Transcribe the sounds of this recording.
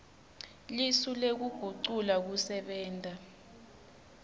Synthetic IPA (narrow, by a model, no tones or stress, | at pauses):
lisulek̬uɡ̥ʱuǀulak̬usɛɓɛːntʼa